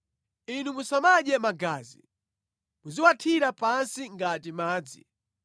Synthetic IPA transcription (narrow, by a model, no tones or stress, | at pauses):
inumusamaʄɛmaɡaːzḭ | muziwatʰiɾapansiŋɡatimaːd͡zḭ